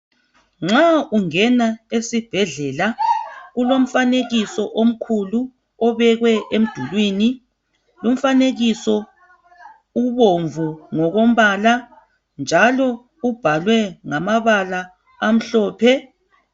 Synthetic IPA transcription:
ŋ͡ǁauŋɛnaesib̥ʱɛɮɛlaɣulom̩faneɣisɔʔom̩kʰulu | ɔβɛɣwɛʔem̩d̥ʱulwini | lum̩faneɣisɔ | uβoɱvuŋɔɣom̩βala | nd͡ʒʱalɔ | ub̥ʱalwɛŋamaβalaː | m̩ɬɔːpʰɛ

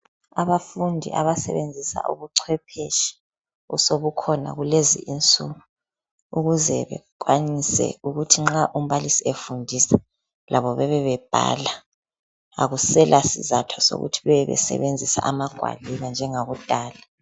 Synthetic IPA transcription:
aβafundʱiʔa̰βasɛ̰βend͡zʱisa̰ʔṵβuǀʰwɛpʰeʃi̥ | usoβukʰɔna̰ɣulezḭʔint͡sʼuɣu | uɣuzɛβɛkʼwanisɛ̰uɣutʰiŋ͡ǁaʔum̩βalisiefundʱisa | lʔaβɔβɛβɛβɛb̥ʱa̰ːla | a̰ɣusɛlʔasizatʰwaso̰ɣṵtʰiβɛɛβɛ̰sɛ̰βend͡zʱisa̰ʔamaɡ̥ʱwa̰liβand͡ʒʱɛŋaɣud̥ʱaːla

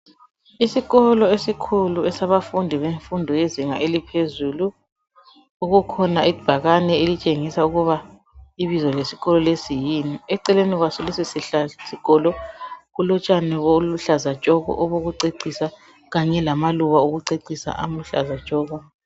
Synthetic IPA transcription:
isiɣɔlɔesikʰuluɛsaβafundʱiβeɱfundʱɔjeziŋa̰ʔelipʰezulu | uɣukʰɔnaib̥ʱaɣanɛelit͡ʃʼeŋisauɣuβa | iβizɔlesi̥ɣɔlɔlesijiniɛǀɛleniɣwasɔlesisasiɣ̥ɔlɔɣulɔt͡ʃʼanɛβoluɬazat͡ʃʼɔɣɔ̰ʔɔβoɣuǀeǀisa | ɣaɲɛlamaluβaoɣuǀeǀisa̰ʔa̰muɬa̰zḁt͡ʃʼɔːɣɔ

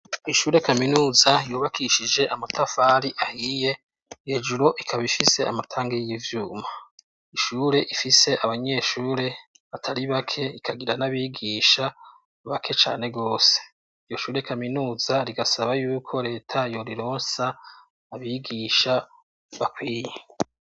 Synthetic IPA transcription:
iʃuːɾe̞kaminuːzajoːβakʰiʃid͡ʒe̞ʔamatafaɾiʔahije | hed͡ʒuɾo̞ʔikʰaβifise̞a̰matʰaːŋɡejjivjuːma | iʃuːɾe̞ʔifise̞ʔaβaɲe̞ːʃuːɾe̞ | βatʰaɾiβakʰe̞ikʰaɡiɾanaβiːɡiʃa | βakʰe̞t͡ʃa̰ːne̞ɡo̞ːse̥ | ijo̞ʃuːɾekaminuːzaɾiɡasaβajuːkʰo̞ɾe̞ːtʰajo̞ɾiɾo̞ːnsaː | βiɡiʃa | βakwiːje

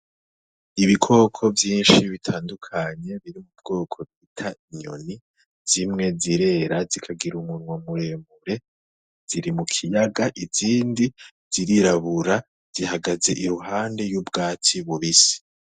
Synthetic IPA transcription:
iβikʰo̞kʰo̞vjiːnʃiβitʰaːndukʰaɲe̞βiɾimub̚ɡ̥o̞ːkʰo̞bɡitʰaiɲo̞̰ni | z̥imŋe̞ziɾe̞ːɾazikʰaɡiɾumunwamuɾe̞mbuɾe̞ | z̥iɾimukʰijaɡaʔiz̥iːndi | z̥iɾiɾaβuɾa | z̥iɦaɡaze̞ʔiɾuɦaːnde̞jubɡaːtiβuβisi̥

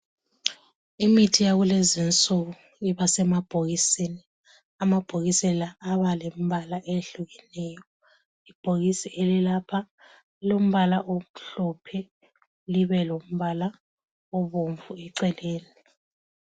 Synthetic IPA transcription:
imitʰijaɣulezint͡sʼoɣu | iβasɛmab̥ʱoɣisini | amab̥ʱoɣisɛlaːβalem̩βalaʔeɬuɣɛnɛːjɔ | ib̥ʱoɣisiʔelilapʰa | lom̩βalaʔom̩ɬɔpʰɛ | liβɛlom̩βala | ɔβoɱvuɛǀɛleːni

